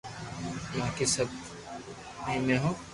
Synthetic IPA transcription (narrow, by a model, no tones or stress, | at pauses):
mãkesɐb̚ | ẽmẽːɦõː